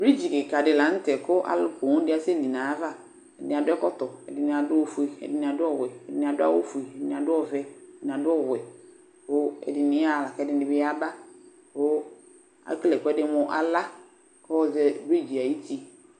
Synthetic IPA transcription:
bɾi˦d͡ʒi˨kɪ˨ka˨dɪ˨la˨˦ŋ̩˦tɛ˨kʊ˦ʔa̰˨lʊ˦ko˨ŋʊ̃˦dɪ˦a˦sɪ˦di˨nã˨a˦va˦ | ɛ˨dɪ˨nɪ̃˨a˨dʊ˦ɛ˦kɔ˦t̪ɔ˨ɛ̰˨dɪ˨n˨a˨dʊ˦o˨fu˨i˨ɛ̰˨dɪ˨nĩ˨a˨dʊ˦ɔ˦˨wɛ˨dɪ˨nɪ̃˨a˨dʊ˦a̰˦wo˦fu˨i˨ɛ˨dɪ˨nɪ̃˨a˨dʊ˦ɔ˦˨vɛ˦˨dɪ˨n˨a˨dʊ˦ɔ˦˨wɛ˨ | o˦ɛ̰˨dɪ˨nɪ̃˦a˦˨la˨ka˨˦dɪ˨˦nɪ˨bɪ˦a˦ba˦ | ko˦ | a̰˨˦klɛ˨kʊ˦ɛ˦dɪ˦mʊ̃˦ʔa̰˨la˦ | kɔ˦ɔ˦zɛ˦bɾi˦d͡ʒi˨a˨ji˦t̪i˦

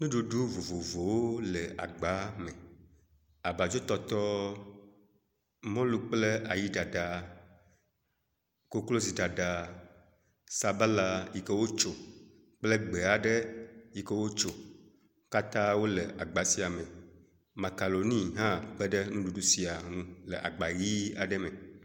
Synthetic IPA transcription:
nũ˦ɖu˨ɖu˦vo˨vo˨vo˨wo˦lə˨a̰˨ɡ͡ba˨˦me˨ | a˨ba˨d͡ʒo˦t̪ɔ˦t̪ɔ˦ | mɔ̃˦lu˦k͡ple˦a˨ji˦ɖa˨ɖa˨ | ko˦klo˦zi˨ɖa˨ɖa˨ | sa˨ba˦la˨ji˨kə˦wo˦t͡ʃo˨ | k͡plə˦ɡ͡be˨a˨ɖə˦ji˨kə˦wo˦t͡ʃo˨ | ka˦t̪ã˦wo˦lə˨ʔa˨ɡ͡ba˨si˦a˨mẽ˨ | ma˨ka˨lo˨nĩ˦ɦã˦k͡pə˦ɖə˦nũ˦ɖu˨ɖu˦si˦a˨nũ˦lə˨ʔa̰˨ɡ͡ba˨ɣi˦a˨ɖə˦me˨

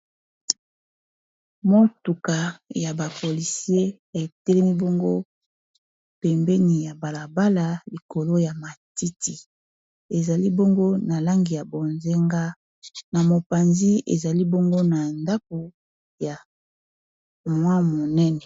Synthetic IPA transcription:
mo˦tu˨ka˨ja˨ba˨po˨li˨si˦e˦ | e˨tɛ˦lɛ˦mi˦bo˦ŋɡo˦ | pɛ˨mbɛ˦ni˨ja˨ba˨la˨ba˦la˨li˨ko˨lo˦ja˨ma˨ti˦ti˨ | e˨za˨li˦bo˦ŋɡo˦na˨la˦ŋɡi˨ja˨bo˨nze˦ŋɡa˦ | na˨mo˨pa˨nzi˦ḛ˨za˨li˦bo˦ŋɡo˦na˨nda˦k̚u˨ | ja˨ | mwa˦mo˨nɛ˦nɛ˨

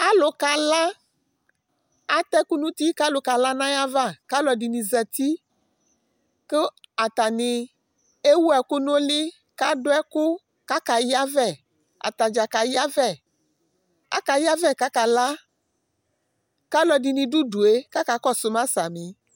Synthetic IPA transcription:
a˦lʊ˨ka˨la˦ | a˦t̪ɛ˦ku˦nũ˦t̪i˦ka˦lʊ˨ka˨la˦nã˦ja˦va˦ka˦lɔ˨di˨nĩ˨zɛ˨t̪i˦ | ke˦a˨t̪a˨nĩ˨ | e˦wu˦ɛ˨ku˦nõ˦li˦ | ka˦ɖʊ˦ɛ˦ku˦ | ka˦ka˨ji˦a˦vɛ˦˨ | a̰˨t̪a˨d͡ʒa˨ka˨ji˦a˦vɛ˦˨ | a̰˦ka˨ja˦vɛ˦˨ka˦ka˨la˦ | ka˦lɔ˨di˨nĩ˨ɖu˦ɖu˨e˦ka˦ka˨kɔ˦sʊ˨mã˦sa˨mĩ˨

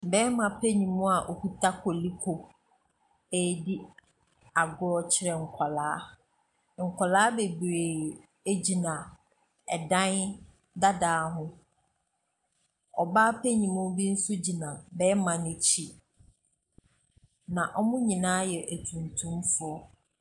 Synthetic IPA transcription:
bɛ˦mã˨pʰe˦ɲĩ˨mʊ̃˦a˨ʔɔ˨hu˦tʰa˦kʰɔ˨li˦kʰo˨ | e˨˦di˦ | a˨ɡʊ˦ɔ˦t͡ɕʰɪ˦ɾɛ˨ŋ̩˨kʷʰa˨laː˨˦ | ŋ̩˨kʷa˨laː˦be˨bɾeː˨ | e˦d͡ʑi˨nã˨ | ɛ˨dã˦n | da˦daː˨˦ɦʊ̃˦ | ɔ˨baː˦pʰe˦ɲĩ˨mʊ̃˦bi˦n̩˦sʊ˦d͡ʑi˨nã˨bɛ˦mã˨nʊ̃˨t͡ɕʰi˦ | nã˨ʔɔ˦mʊ̃˦ɲĩ˨nãː˦jɛ˨ʔæ˨tʰũ˨ntʰũ˦mfʊ˨˦ɔ˦

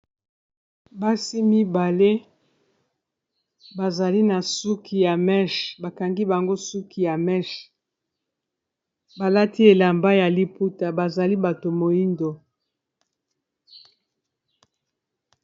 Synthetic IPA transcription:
ba˦si˦mi˦ba˨le˦ | ba˨za˨li˦na˨su˦ki˨ja˨mɛ˦ʃba˨ka˨ŋɡi˦ba˨ŋɡo˦su˦kʰi˨ja˨mɛ˦ʃ | ba˨la˦ti˦e˨la˨mba˦ja˨li˦pu˦ta˨ba˨za˨li˦ba˨to˨mo˨ji˦ndo˨

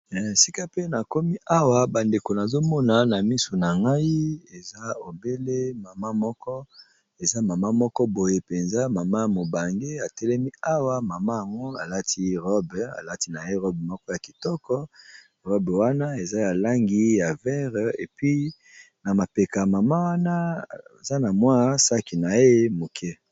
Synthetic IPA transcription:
si˦ka˦pe˦na˨ko˦mi˦ʔa˦wa˨ba˨nde˨ko˨na˨zo˦mɔ˦na˨na˨mi˦so˨na˨ŋɡa˦i˦e˨za˦o˨be˦le˦ma˨ma˦mɔ˦kɔ˦ | e˨za˦ma˨ma˦mɔ˦kɔ˦bo˨je˨pe˨nza˦ma˨ma˦˨mo˨ba˨ŋɡe˦a˨tɛ˦lɛ˦mi˦a˦wa˦ma˨ma˦ja˨ŋɡo˦a˨la˦tʰi˦ʁɔ˦ba̰˨la˦ti˦na˨je˦ʁɔ˦bmɔ˦kɔ˦ja˨ki˨tɔ˦kɔ˦ | ʁɔ˦bwa˦na˦e˨za˦ja˨la˦ŋɡi˦ja˨vɛ˦ʁḛ˨pɥi˦ | na˨ma˨pe˨ka˨ma˨ma˦wa˦na˦e˨za˦na˨mwa˦sa˦ki˨na˨e˦mo˨kʰɛ˦

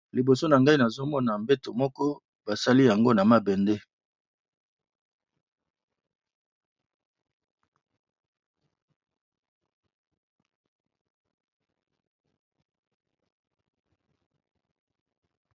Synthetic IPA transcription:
li˨bo˨so˦na˨ŋɡa˦i˦na˨zo˦mɔ˦na˨mbe˦to˨mɔ˦kɔ˦ | ba˨sa˦li˦ja˨ŋɡo˦na˨ma˦bɛ˨nde˦

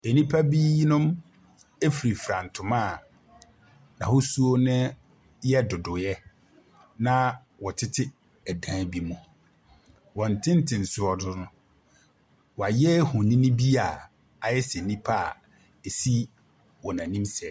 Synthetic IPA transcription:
e˨nĩ˦pʰa˦bi˦nʊ̃˦m | e˦fi˨ɾi˨fɾã˨n̩˨tʰʊ̃˨mã˦˨ | nã˨ho˦su˦o˦nɪ̃˦ | jɛ˦dʊ˨dʊ˨jɛ˦ | nã˦ | wɔ˨tʰɪ˦tʰɪ˦ | æ˨dãː˦bi˦mũ˨ | wɔ̃˨n̩˨tʰɪ̃˦n̩˦tʰɪ̃˨n̩˨sʊ˨ɔ˨dʊ˨nʊ̃˦ | wɔ˨a˨jɛ˦hʊ̃˨nĩ˦nĩ˦bi˦a˨ | a˨jɛ˦sɛ˨nĩ˦pʰa˦˨ | e˨si˦ | wɔ˨nã˨nĩ˦msɛ˨

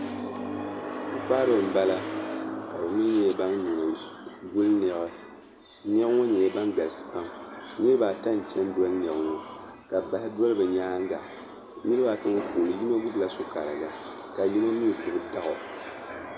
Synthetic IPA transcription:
ku˦paː˦ɾo˨m̩˨ba˦la˦ka˨bɨ˨mi˦ɲɛ˦ba˦nnu˨nɨ˨ɡu˦lnɛ˨ɣɨ˦ | nɛ˦ŋɔ˦ɲɛ˨˦ba˦nɡa˨lsɨ̥˨pa˦ŋnɨ˦ɾɨ˦ba˨ta˦n˨t͡ʃɛ˦n˦dɔ˦lnɛ˨bŋɔ˦ka˨ba˨hɪ˦dɔ˦lɨ˦bɨ˨ɲaː˦ŋ˦ɡa˨ | ɲɨ˦ɾɨ˦ba˨tɨ˦ŋ˦kuː˨lɨ˨ji˦ma˦ɡu˦bla˨sʊ˦ka˨ɾɨ˨ɡa˨ | ka˨ji˦lo˦mi˦˨kʊ˨bɨ˦ta˦ɣɔ˨

